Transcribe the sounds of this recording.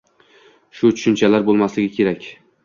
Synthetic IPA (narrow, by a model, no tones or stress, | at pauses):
ʃʊt͡ʃ̪ʰʊ̥ʃɪnt͡ʃʰalaɾbolˠmaslɪɡʲɪkʲʰe̞ɾakʲ